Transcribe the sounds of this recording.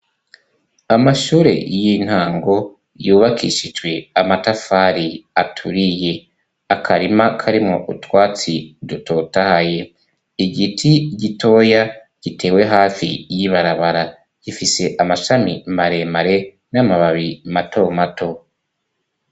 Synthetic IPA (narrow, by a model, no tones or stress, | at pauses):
amaʃuːɾe̞̰jin̥haːŋɡo̞ | juːβakʰiʃid͡ʒɡwe̞amatafaːɾiatʰuɾije̞ | akʰaɾimakʰaɾimŋo̞ʔutwaːt͡siduto̞tahaje̞ | iɡitʰiɟitʰo̞ːja | ɟ̥itʰe̞ːwe̞ɦaːfḭjiβaɾaβaɾa | j̥ifise̞ʔamaʃamimaɾe̞maɾe̞ | namaβaβimato̞matʰo̞